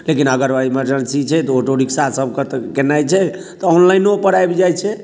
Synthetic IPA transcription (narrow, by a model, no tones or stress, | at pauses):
lekinəɡəɾbaiməɾd͡ʒənsit͡ʃʰɛt̪ɔoʈoɽiksasəb̚kəɾt̪kenajt͡ʃʰɛ | t̪ɔonlainopəɽajbd͡ʒajt͡ʃʰɛ